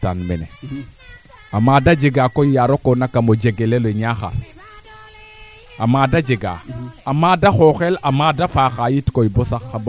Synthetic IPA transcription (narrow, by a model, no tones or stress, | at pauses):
ta̰nmenḛ | amadad͡ʒeɡakoijaɾokonakamod͡ʒeɡeleloiɲaxa̰l | amadad͡ʒeɡa̰amadaxoxelamadafaxajitkoibosakːab